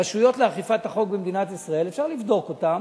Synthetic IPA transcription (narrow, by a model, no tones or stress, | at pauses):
aʃujo̞tleaχifat̪haχo̞k̚bemd̪inat̪isʁae̞lefʃaʁlivd̪o̞ko̞tam